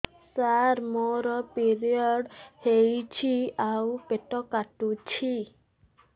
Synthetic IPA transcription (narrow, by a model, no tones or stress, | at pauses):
saɾmoɾɔpiɾiɔɽhejt͡ʃʰiawpeʈɔkaʈut͡ʃʰi